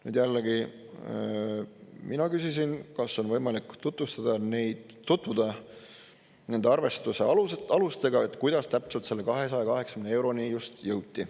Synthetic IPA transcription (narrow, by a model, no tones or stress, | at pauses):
nyːd̪jælːeɡi | minɑkysisinkɑsːo̞nvɤ̞jmɑlikːˑt̪ut̪vust̪ɑd̪̥ɑnejd̪̥ | t̪ːut̪ːˑvud̪̥e | ne̞nd̪eɑrve̞st̪use̞ɑluɑlust̪e̞ɡ̥ɑe̞t̪ːˑkujd̪̥ɑst̪æpselt̪se̞lːe̞kɑɦe̞sɑjɑkɑɦe̞ksɑ̥kymnee̞wɾo̞nijust̪jɤwt̪̚ʲːi